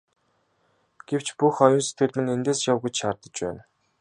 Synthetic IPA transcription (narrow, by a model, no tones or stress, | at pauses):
ɡ̥ew̥t͡ɕpuxɔjʊːnse̥t̪ɡɘ̆rt̪ɘ̆nent̪eːsjawɣujt͡ɕʃaːrt̪ə̆t͡ɕpæ̰ːn